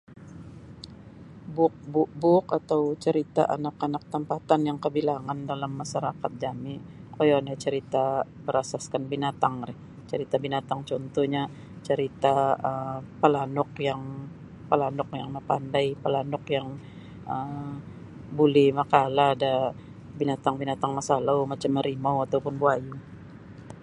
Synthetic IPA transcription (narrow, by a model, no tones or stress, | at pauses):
bʊk̚buk̚bʊkat̪awt͡ʃəɾit̪a̰ʔa̰nakanak̚t̪əmpat̪anjaŋkəbilaŋandalamːaʃaɾakat̪̚d͡ʒamɪkojonat͡ʃəɾit̪abəɾasaskanbinat̪aŋɾɪh | t͡ʃəɾit̪abinat̪aŋt͡ʃɔnt̪ɔhɲa | t͡ʃəɾit̪aəpəlanɔkjaŋ | pəlanʊkjaŋməpandajpəlanʊkjaŋ | ʔə | bulɛhmakalaːda | binat̪aŋbinat̪aŋmasalawmat͡ʃamːəɾimawat̪awpʊnbuajuŋ